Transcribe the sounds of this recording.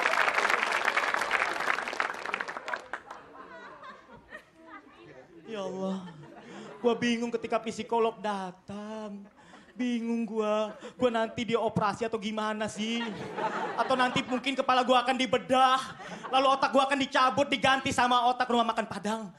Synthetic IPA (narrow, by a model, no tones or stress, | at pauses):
jalːɔh | ɡuabiŋʊŋkət̪ikafisikolɔk̚dat̪am | biŋʊŋɡuaɡuanant̪idiaopəɾasiat̪awɡimanasɪ | at̪awnant̪imuŋkɪnkəpalaɡuaːkandibədah | laluot̪ak̚ɡuaːkandit͡ʃabʊt̪̚diɡant̪isamaot̪ak̚numamakanpadaŋ